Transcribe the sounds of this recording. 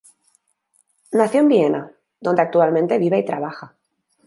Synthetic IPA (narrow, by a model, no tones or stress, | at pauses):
naθjo̞mbie̞na | ðo̞nd̪eak̚t̪ualmẽ̞nt̪e̞β̞iβeit̪ɾaβ̞axa